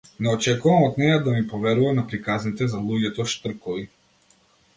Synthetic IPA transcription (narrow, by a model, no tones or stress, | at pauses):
nɛɔt͡ʃɛkuvamɔt̪nɛjad̪amipɔvɛɾuvanapɾikaznit̪ɛzalˠuɟɛt̪ɔʃt̪r̩kɔvi